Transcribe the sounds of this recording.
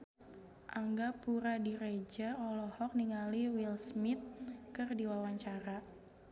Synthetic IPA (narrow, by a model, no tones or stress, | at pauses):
ʔaŋɡapuɾadiɾed͡ʒaɔlɔhɔk̚niŋaliwilsmit̪̚kɨrdiwawaɲt͡ʃaɾa